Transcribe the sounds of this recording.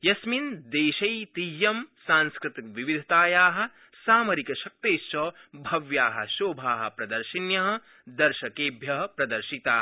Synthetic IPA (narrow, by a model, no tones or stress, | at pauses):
jɐsmind̪eːʃɐjt̪ijːɐmsãːnskɾɪt̪ikʋiʋid̪ʱɐt̪aːjaːɦɐ̆ | saːmɐɾikɐʃɐk̚t̪eːst͡ʃɐːbʱɐʋjaːɦɐ̰̆ʃoːbʱaːɦɐ̰̆pɾɐd̪ɐɾʃinjɐɦɐ̆ | d̪ɐɾʃɐkeːbʱjɐɦɐpɾɐd̪ɐɾʃit̪aː